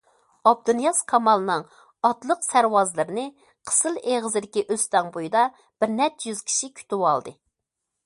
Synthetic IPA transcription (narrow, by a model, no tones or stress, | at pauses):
ɑb̚d̪unjɑskʰɑmɑlˠɨnɨŋ | ɑt̪lˠəqsæɾwɑzlˠɨɾɨnɨ | qʰə̥sɨlˠeʁəzɪd̪ɪkʲiʔøst̪ɑŋbojid̪ɑ | b̥ɪɾnɛt̪jyz̥kʲʰi̥ʃikʲʰy̥t̪uwɑlˠd̪ɨ